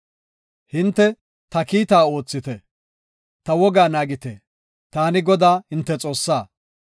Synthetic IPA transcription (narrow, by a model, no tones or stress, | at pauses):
hɪnt̪ːɛ | t̪ɐkiːt̪aːo̞ːt͡sːɪt̪ɛ | t̪ɐwɔɡaːnaːɡɪt̪ɛ | t̪aːnɪɡɔd̪aːhɪnt̪ːɛt͡sʼo̞ːsːaː